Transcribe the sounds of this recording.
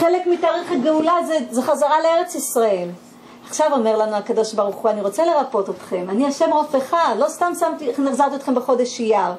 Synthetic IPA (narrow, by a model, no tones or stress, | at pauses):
χelekmitaːʁeχet̪̚ɡeulazezeχazaʁaleeʁet͡sisʁaem | aχʃavo̞me̞ʁlanuakado̞ʃbaʁuχuaniʁo̞t͡sele̞ʁapo̞tot̪χe̞maniaʃemʁofeχadlo̞st̪amsamt̪ineχzaʁt̪iot̪χembeχo̞d̪eʃijaʁ